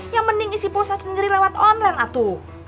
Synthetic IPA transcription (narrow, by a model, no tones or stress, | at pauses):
jaŋməniŋisiposasənd͡ʒəɾilewat̪ɔnlanat̪u